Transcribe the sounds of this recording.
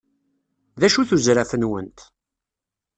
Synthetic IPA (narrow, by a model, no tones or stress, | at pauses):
ðæʃuθuzɾafənwənt̪